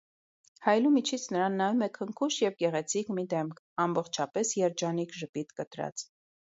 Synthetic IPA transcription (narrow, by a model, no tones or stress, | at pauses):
hɑjlumit͡ʃʰit͡sʰnəɾɑnːɑjumɛkʰəŋkʰuʃjɛvɡɛʁɛt͡sʰikmid̪ɛmkʰ | ɑmbɔχt͡ʃʰɑpɛsjɛɾd͡ʒɑnikʰʒəpit̪kət̪ɾɑ̰t͡s